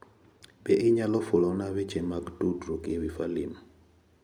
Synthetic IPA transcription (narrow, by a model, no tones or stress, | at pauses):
bɛʔiɲalɔfulɔnaβɛt͡ʃɛmakdudɾukiβifalimu